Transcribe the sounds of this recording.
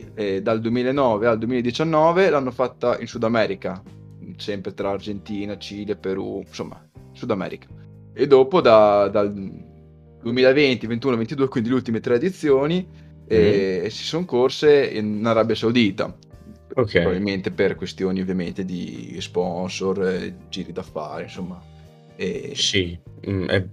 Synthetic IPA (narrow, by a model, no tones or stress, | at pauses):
ɛd̪ald̪uemiːlaenːɔːveald̪uemiled̪it͡ʃanːɔːvelanːofat̪ːaḭnsud̪amɛːɾika | sɛmpɾet̪ɾaːrd͡ʒent̪iːnat͡ʃiːlepeɾṵnso̰mːa̰sud̪amɛ̰ːɾikḁ | ed̪oːpod̪ad̪al | d̪uemiːlaevent̪ivent̪uːnovent̪id̪uːekwind̪ileult̪imet̪ɾed̪it̪sːjoːni | ɛsi̥soŋkorseḭnnaɾabjasawd̪iːt̪a̰ | ɾokɛbabilment̪eperkwest̪joːniovːjament̪ed̪ḭspɔnsord͡ʒiːɾid̪afːa̰ːɾḛinsomːa | ɛsiɛ̰